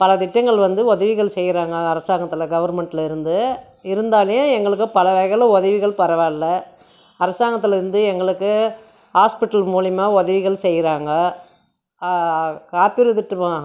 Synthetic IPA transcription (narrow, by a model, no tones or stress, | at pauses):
pɐlɐt̪ɪʈːɐŋɡɐɭʋɐnd̪ɯɔðɐʋɪɣɐɭsɛjːɪɾaːŋɡɐːɾɐsaːŋɡɐt̪ːɯlɐɡɐʋɐɾmɛɳʈɪlɪɾɯnd̪ɯ | ɪɾɯnd̪aːljɐ̃ɛŋɡɐɭɯk̬ːɯpɐlɐʋɐɣɐlɐ̃ɔðɐʋɪɣɐɭpɐɾɐʋaːlːɐ | ɐɾɐsaːŋɡɐt̪ːɯlɐɪɾɯnd̪ɯɛŋɡɐɭɯkːɯ | haːspɪʈːɐlmuːlɪmaːɔðɐɪʋɪɣɐɭsɛjːɪɾaːŋɡɐ | kaːpɪɾɯðɪʈːɯʋãː